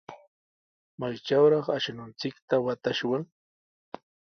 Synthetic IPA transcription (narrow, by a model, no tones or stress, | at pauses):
majt͡ʃawɾɑχaʃanʊnt͡sɪkt̪awat̪aʃwaŋ